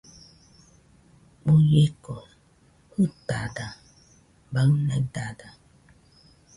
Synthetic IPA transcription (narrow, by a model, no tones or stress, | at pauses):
mujeko | hutada | banadada